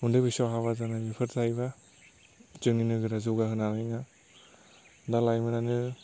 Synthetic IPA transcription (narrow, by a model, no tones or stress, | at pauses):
undɯbisɔɦaβazanamipʰɯɾtʰajba | d͡ʒɯŋninɯɡɯɾazuɡaɦɯnalajŋa | dalajmɯnanɯ